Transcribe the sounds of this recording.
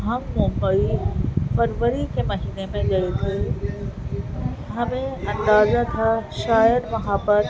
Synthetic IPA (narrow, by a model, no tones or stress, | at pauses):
ɦɐmːʊ̃mbəifɐɾʋəɾikʰemɐɦiːnemẽɡɐjet̪ʰe | ɦɐmẽɐ̃nd̪aːzat̪ʰaʃaːjəɾmɐɦaːbəɾ